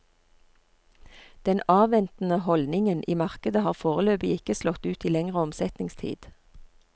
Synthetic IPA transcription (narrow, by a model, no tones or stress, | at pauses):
d̪̥ɛnɑːʋɛnt̪n̩əhɔld̪nɪŋənʔiːmɑʁkəd̪əhɑːʁfoːʁəløːbɪɪkəslɔt̪ʉːt̪iːlɛŋʁəɔmsɛt̪nɪŋst̪ʰḭːd̪̥